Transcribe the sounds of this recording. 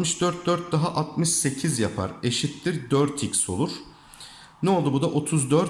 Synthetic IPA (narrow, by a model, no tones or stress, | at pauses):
mɯʃd̪̥øɾt̪̚d̪øɾt̪̚d̪aɦaʔat̪̚mɯʃse̞cʰizjapʰa̰ɾe̞ʃit̪ːiɾd̪øɾt̪ʰicso̞̰lˠuɾ̥ | nɛolˠd̪ubud̪aʔo̞t̪ʰuzd̪øɾ